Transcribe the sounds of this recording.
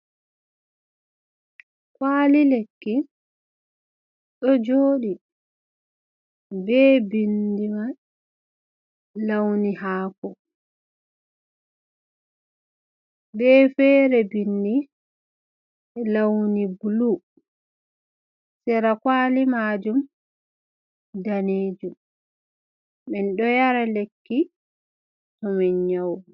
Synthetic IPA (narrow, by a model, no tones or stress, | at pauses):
kwaːlilekːi | ɗɔd͡ʒoːɗi | bɛːbindima | lawnihaːkɔ | bɛfɛːɾɛbindi | lawnibulu | sɛɾakwaːlimaːd͡ʒum | daneːd͡ʒum | ɛnɗɔjaɾalekːi | tɔmɛɲɲaw